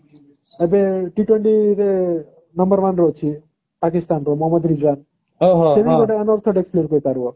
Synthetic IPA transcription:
ebeʈiʈweɳʈiɾe | nəmbəɾʋanɾot͡ʃʰi | pakist̪anɾomɔɦəməd̪ɾid͡ʒɾan | ɦoɦseʋikɔʈenɔɾt̪ʰɔʈekspleɾkoipaɾʋɔ

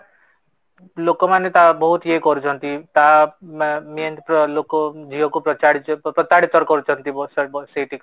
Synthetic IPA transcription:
lokɔmanet̪abɔɦut̪ekɔɾut͡ʃʰɔnt̪it̪a | mijənpɔlokɔd͡ʒiɦɔkupɾɔt͡ʃaɽpɾɔt̪aɽit̪ɔɾkɔɾut͡ʃʰɔnt̪ibsbseʈʰik

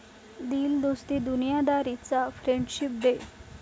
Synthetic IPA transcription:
d̪iːld̪ost̪iːd̪unijad̪aɾit͡safɾeɳɖɕip̚d̪e

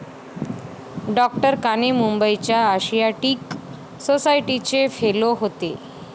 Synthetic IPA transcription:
ɖɔk̚ʈəɾkanemumbəit͡ɕjaːɕijaʈiːk | sosajʈit͡ɕefeloɦot̪e

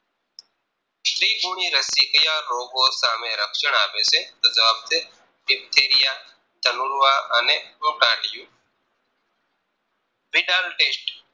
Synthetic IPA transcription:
ʃɾiːɡuːɳiːɾəsiːkəjaːɾoːɡoːsãːmẽːɾəkʰt͡ʃəɳaːʋeːseːt̪oːzəʋaːb̚t̪eː | ɪbt̪ʰeːɾɪjaː | d̪ʱənuːlʋaːəneːoːʈaːʈɪjũː | bɪːɖaːlʈeːsʈ

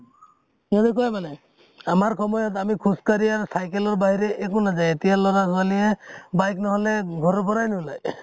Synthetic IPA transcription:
ed̪ekɔjmanɛ | amaɹkʰɔmɔjɔt̪amikʰuskaɾiaɾɔsajkelɔɹbaɦiɾeʔekonazajet̪ijalɔɾakʰɔalijebajknɔɦɔleɡʱɔɾɔbɔɾajnɔɦulaj

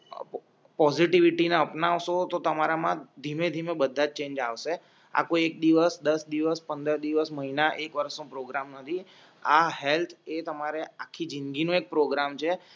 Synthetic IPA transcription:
pɔziʈiʋiʈineəpnaʋʃot̪ot̪əmaɾamãd̪ʱimẽd̪ʱimẽbəd̪ʱːad͡ʒt͡ʃẽɲd͡ʒaʋʃe | a̰koek̚d̪iʋəsd̪əsd̪iʋəspənd̪əɾd̪iʋəsməɦinaʔekʋəɾəsnũpɾoɡɾamnət̪ʰi | aɦelt̪ʰet̪əmaɾeakʰːid͡ʒiŋɡinũek̚pɾoɡɾamt͡ʃʰe

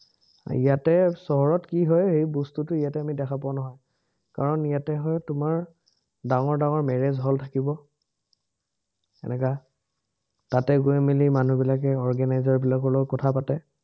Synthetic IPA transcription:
ijatɛsɔɦɔɹɔtkiɦɔjɦejbɔstutʊijatɛamidɛkʰapanɔɦɔj | kaɹɔnijatɛɦɔjtʊmaɹ | daŋɔɹdaŋɔɹmɛɹezɦɔltʰakibɔ | ɛ̰nɛka | tatɛɡuɛmilimanubilakɛɔɹɡanajzɔɹbilakɔlɔkɔtʰapatɛ

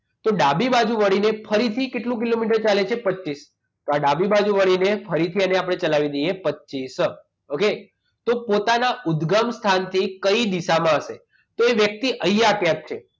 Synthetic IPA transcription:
t̪oɖabibad͡ʒuʋəɽinefʰəɾit̪ʰikeʈlũk̬ilomiʈ̬əɾt͡ʃalet͡ʃʰepətːis | t̪oaɖabibad͡ʒuʋəɽinefʰəɾit̪ʰiəneapɽ̃et͡ʃəlaʋid̪ejepətːt͡ʃis | oke | t̪opot̪anaʊd̪ɡəmst̪ʰant̪ʰikəid̪isamãəʃe | t̪oeʋjək̚t̪iʔəjjakjãk̚t͡ʃʰe

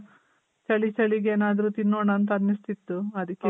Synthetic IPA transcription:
t͡ʃɐɭit͡ʃɐɭiɡeːnaːd̪ɐɾut̪inːoːɳaːnt̪ɐɐnːist̪it̪ːuɐd̪ikːe

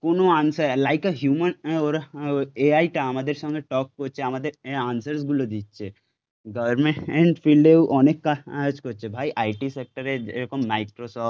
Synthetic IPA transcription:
koːnoãːnsəɾlaːɪkəɦjuːmənɔɾeaːiʈaɐmaːd̪eɾsɔ̃ŋɡeʈɔːk̚ːot͡ʃʰeɐmad̪eɾãːnsəɾsɡulod̪iːt͡ʃʰe | ɡɐʋəɾmẽʈɛ̃ɳʈfilɖeʔɔːnekːat͡ʃkoːt͡ʃebʱaːiʔaːɪʈisek̚ʈəɾed͡ʒɾekɔmːaɪkɾosɔː

